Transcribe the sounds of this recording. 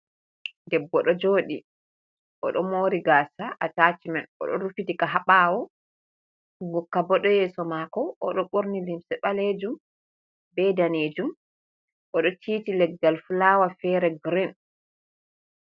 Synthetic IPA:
dɛbːɔɗɔd͡ʒoːɗi | ʔɔɗɔmoːɾiɡasaʔataːt͡ʃimɛnɔ̰ɗɔɾufitikaɦaɓawɔ | ɡɔkːabɔɗɔjɛːsɔmaːkɔʔɔɗɔɓoɾnilimsɛɓaled͡ʒum | bɛdaneːd͡ʒum | ʔɔɗɔtʰiːtilɛɡːalfulawafɛɾɛɡɾin

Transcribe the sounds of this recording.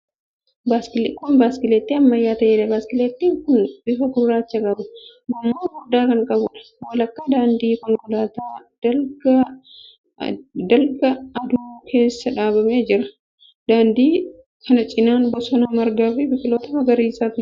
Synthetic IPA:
baːskɪlkːʊnbaːskɪleːt̪ːiɐmːɐjːaːt̪ɐʔeːᶑɐbaːskɪleːt̪ːiːŋkʊnbɪfɐɡʊɾːaːt͡ʃːɐkʼɐbʊɡɐmːoːɡʊd̪aːkɐŋkʼɐbʊᶑɐ̥ | wɐlɐkːaːd̪aːnd̪iːkɔŋkɔlaːt̪aːd̪̥ɐɡɐ | d̪ɐlɡɐːd̪ʊkʰe̞ːsːɐᶑaːbɐmeːd͡ʒɪɾɐ | d̪aːnd̪iː | kʰɐnɐt͡ʃʼɪnaːnbɔsɔnɐmɐɾɡaːfɪbɪfɪloːt̪ɐmɐɡɐɾiːsaːfɪ

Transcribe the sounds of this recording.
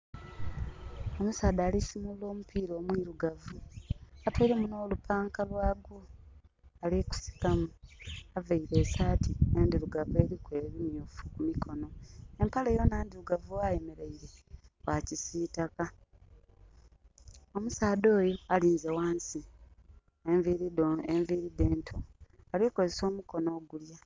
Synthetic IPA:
o̞musaːdaːlisimulo̞ːmupʰiːɾo̞ːmwiɾuɡavuatweiɾemuno̞ːlupaːŋkalwaːɡu | aliku̥si̥kamuavaiɾe̞ːsaːtiendiɾuɡavue̞ːɾikwe̞ːβimjuːfu̥kumikʰo̞no̞empalejonaːndiɾuɡavuwaje̞me̞ɾeiɾe̞wacisitaka | o̞musaːdo̞ːjoaliːnzewaːnsi | evieɱviːɾide̞ːntʰoː | liko̞zeso̞ːmuko̞no̞ːɡulja

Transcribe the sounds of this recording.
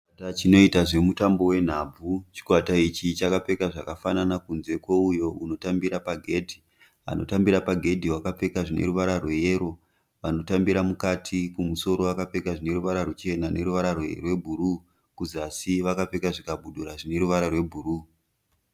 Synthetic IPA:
tat͡ʃino̞itaʐe̞mutambo̞we̞n̤ab͡vʱut͡ʃi̥kwatait͡ʃit͡ʃakape̞kaʐakafananakunze̞kwo̞ujo̞uno̞tambiɾapaɡʱe̞ːdʱi | a̰no̞̰tambiɾapaɡʱe̞dʱiwakape̞kaʐinḛruʋaɾarwe̞je̞ɾo̞ | ʋano̞tambiɾamukatʰikumuso̞ɾo̞akape̞kaʐine̞ɾuʋaɾarut͡ʃe̞nane̞ɾuʋaɾarwerwe̞bʱuɾu | kuziasiʋakape̞kaʐikabʱuɗuɾaʐine̞ɾuʋaɾarwe̞bʱuruː

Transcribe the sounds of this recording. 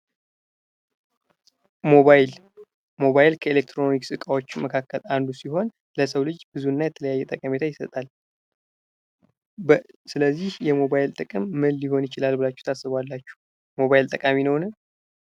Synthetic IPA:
moal | mo̞βajlkʰəelek̚t̪ʰɾo̞niksʼɨkʼawo̞t͡ʃːməkʰakʰːəland̪usiɦo̞n | ləsəwlɨd͡ʒbɨzuɨnːajɛt̪ʰələjajːɛt̪ʼəkʼəme̞t̪ʰajɪsət̪ʼal | sɨləzːihjɛmo̞βajlt̪ʼɨkʼɨmːɨlːiho̞njɪt͡ʃɪlalbɨlat͡ʃːu̥ht̪ʰasɨβalːat͡ʃːu̥h | mo̞βajlt̪ʼəkʼaminəwnɨ

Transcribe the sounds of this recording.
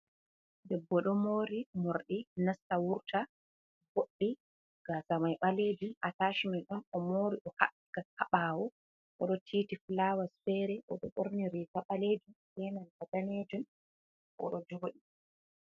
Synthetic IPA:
dɛbːɔɗɔmoːɾimoɾɗinastawuɾtʰa | boɗːi | ɡ̥asamajɓaled͡ʒiʔataːʃimɛnɗɔnɔmoːɾiʔɔha | ɡahaɓaːwɔ | ʔɔɗɔtʰiːtiflawasfɛːɾɛʔɔ̰ɗɔ̰ɓoɾniɾitaɓaleːd͡ʒusɛmanhadaneːd͡ʒun | ʔɔ̰ɗɔd͡ʒoːɗi

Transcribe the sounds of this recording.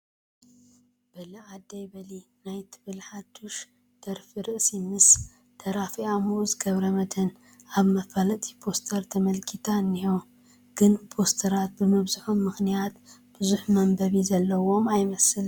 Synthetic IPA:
b̥ɐlɐad̪ːɐjbɐlinajt̪ʰɨβɨlħat̪ʰːuʃ | d̪̥ɐɾfiɾɨʔsimɨs | t̪ʰɐɾafiamuʔzɡɐβɾɐmɐt̪ʰɐn | aβmɐfalɐt̪ʼi̥pʰo̞st̪ʰɐɾt̪ʰɐmɐlkʰit̪ʰanːiho | ɡ̥ɨnpʰo̞st̪ʰɐɾat̪̚bɨmɐβzɨħumːɨxnijat̪b̥ɨzuħmɐmbɐβizɐlːɐwo̞majmɐsɨl

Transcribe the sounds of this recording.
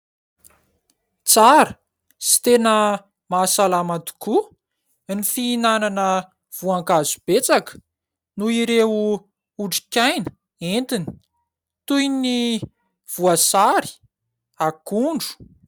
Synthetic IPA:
t͡saɾə | si̥t̪enə | masalamat̪u̥ku | nifiːnananə | v̥uaŋkazub̥et͡sakə̥ | nuiɾeu | uʈ͡ʂi̥kʲajnə̥ | ent̪ini̥ | t̪ujni | v̥uasaɾi̥ | akuɳɖ͡ʐu̥

